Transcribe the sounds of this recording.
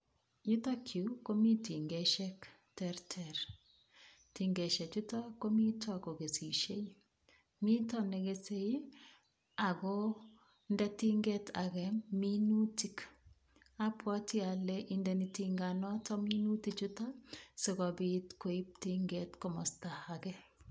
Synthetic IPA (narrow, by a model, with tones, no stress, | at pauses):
ɲu˦ta˦kʰju˨˦ko˦mi˦ti˨ŋɡɛ˨ʃɛ˦k | tɛ˦ɾtʰɛɾ | ti˨ŋɡɛ˨ʃɛ˨t͡ʃu˦tɔ˦ko˦mi˦tʰɔ˦˨ko˨ɡe˨si˨ʃe˦i˦ | mi˦tɔ˦nɛ˨ɡe˨se˦i˦ | a˨kɔ˦ | ndɛ˦ti˦ŋɡetʰa˨ɡɛmi˦nu˦ti˨k | a˦pʰwɔ˦ti˦a˨lɛʔindɛ˨nitiŋɡanɔ˦tɔ˦mi˦nu˦ti˨t͡ʃu˦ta˦se˨kɔ˨bitko˨i˦p̚tiŋɡetko˨mɔ˨stahaɡɛ